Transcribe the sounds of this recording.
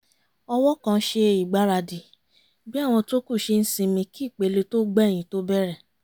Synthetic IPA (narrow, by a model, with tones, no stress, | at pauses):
ɔ˧wɔ˦kã˧˦ʃe˧i˨ɡ͡ba˨˦ɾa˧di˨ | bi˦a˦˨w̃ɔ̃˧to˦ku˦˨ʃe˧n̩˦sĩ˧mĩ˧ki˦˨k͡pe˨˦le˧to˦ɡ͡bɛ˦˨j̃ĩ˨˦to˦bɛ˦ɾɛ˦˨